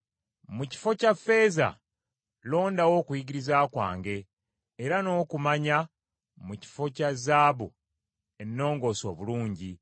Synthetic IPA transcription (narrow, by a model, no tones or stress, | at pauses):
muci̥fo̞cafːe̞ːza̰ | lo̞ːndawo̞ːkujiɡiɾizaːkwa̰ːŋɡe̞ː | ɾano̞ːkumaɲa | muci̥fo̞cazaːβu | e̞nːo̞ːŋɡo̞ːso̞ːβuluːɲɟi